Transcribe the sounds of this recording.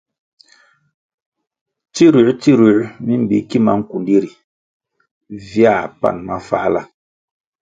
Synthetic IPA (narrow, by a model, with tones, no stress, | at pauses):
ti˦ɾu˨ʔti˦ɾu˨ʔmi˦m̩˦˨bi˨ki˦ma˨˦ŋ̩˦ku˨ndi˦ɾi˨ | vja˦˨pa̰˦˨nma˦fa̰˦la˦